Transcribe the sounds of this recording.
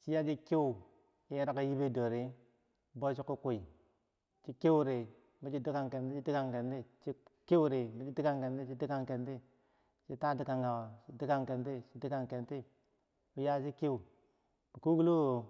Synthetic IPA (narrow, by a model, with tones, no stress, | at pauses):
t͡ʃi˦ja˦d͡ʒi˦ki˦u˨ | i˦ja˦ɾa˦ka˦ji˦be˦˨do˨ɾe˦ | bo˦t͡ʃi˦ku˦ku˨i˨ | t͡ʃi˦ke˦wu˦ɾe˨ | ma˦t͡ʃi˦di˦ka˨ŋke˨nti˦t͡ʃi˦di˦ka˨ŋke˨nte˦t͡ʃi˦ki˦wu˦ɾe˨ma˨t͡ʃi˦di˦ka˦ŋke˨nte˦t͡ʃi˦di˦ɡa˨ŋke˨nti˦ | t͡ʃi˦ta˦˨di˨ka˨ŋɡa˨wt͡ʃi˦di˦ka˦˨ŋke˨nte˦t͡ʃi˦di˦ɡa˨ŋke˨nti˦ | u˦ja˦t͡ʃi˦ki˦u˨ | ma˨ku˦ɡu˦lu˦˨